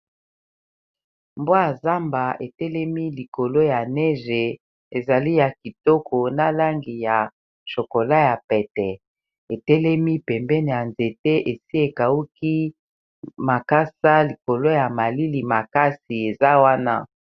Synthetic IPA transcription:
mbwa˦a˨za˦mba˨ʔe˨tɛ˦lɛ˦mi˦li˨ko˨lo˦ja˨nɛ˦ʒe˨ | e˨za˨li˦ja˨ki˨tɔ˦kʰo˨na˦la˦ŋɡi˨ja˨ | ʃo˨ko˨la˦ja˨pɛ˨tɛ˨ | e˨tɛ˦lɛ˦mi˦pɛ˨mbɛ˦n˨ja˨nze˨te˦ʔe˨si˦e˨ka˨u˦ki˦ | ma˨ka˦sa˦li˨ko˨lo˦ja˨ma˨li˦li˨ma˨ka˦si˨e˨za˦wa˦na̰˦

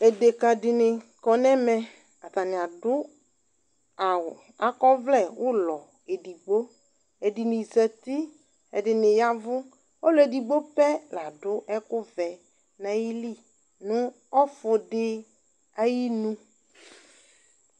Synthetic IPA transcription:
e˨de˨ka˨dɪ˨nɪ˨kɔ˨nɛ˦mɛ˨ | a˨t̪a˨nɪ̃˨a˨dʊ˦ | a˨wʊ˨ | a˨kɔ˦vlɛ˦˨wʊ˦lɔ˨ | e˨di˨ɡ͡bo˦ | e˨dɪ˨nɪ̃˨zɛ˨t̪i˦ | ɛ˨dɪ˨nɪ˨ja˦vʊ˦ | ɔ˦lɔ˨e˨di˨ɡ͡bo˦pɛ˦la˨dʊ˦ʔɛ˦kʊ˦vɛ˨ | na˨ji˦li˦˨ | nʊ̃˦ | ɔ˦fʊ˨dɪ˦ | a˦ji˦nũ˦

